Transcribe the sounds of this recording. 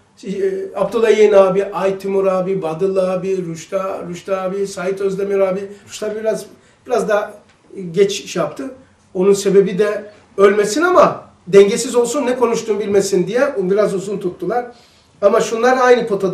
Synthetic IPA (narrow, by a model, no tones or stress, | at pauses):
apt̪ʰolˠajejnaːbiʔajt̪ʰymuɾaːbibad̪ɯlˠaːbiɾuʃt̪aɾuʃt̪aaːbisajit̪ø̞zlʲemijoɾaːbiɾuʃlˠaɾbiɾaz | b̥iɾazd̪a | ɟɛt͡ʃʃjap̚t̪ʰɯ | o̞nunse̞be̞bid̪ɛ | ølʲmesinama | d̪ɛɲɟesizo̞lˠsunːɛkʰo̞nuʃt̪uːnbilʲme̞sind̪ijɛbiɾazuzunt̪ʰut̪ːulˠaɾ̥ | amaʃunlˠaɾɯnajnɯpʰo̞t̪ʰo